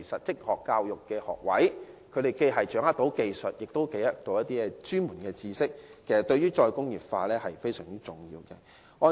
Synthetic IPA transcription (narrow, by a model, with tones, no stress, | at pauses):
sɐ˨t̚t͡sɪ˥k̚hɔː˨˩kːaː˧wjʊ˨kːɛː˧hɔ̰ː˨k̚wɐ̰˨˥jkʰɵ˨˧ɥɾe˨jke˧jɦɐ˨jt͡ʃœː˨˥ŋɐ˥t̪̚o˨˥wke˨jsɵ˨t̚jɪ˨k̚t̪o˥wke˨˥jɐ˥t̪o˨˧wjɐ˥t̪̚iː˥ɛ˧t͡ʃyː˥nmuː˨˩nkɛː˧t͡siː˧sɪ˥k̚kʰːe˨˩sɐ˨t̪ɵ˧ɥyː˥t͡ʃɔː˧jkʊ˥ŋjyː˨p̚faː˧lɛː˥hɐ˨jfe˥jsœ̰ː˨˩ŋt͡si˥t͡sʊ˨˩ŋjḭː˧wkɛ̰˧ | ŋɔː˨˧